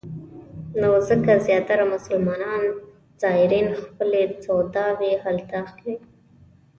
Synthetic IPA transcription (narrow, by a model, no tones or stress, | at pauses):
nozəkazjɑt̪aɾamʊsəlmɑnɑn | z̥ɑɪɾinxpəlet͡sawd̪ɑwehalt̪ɑxkwi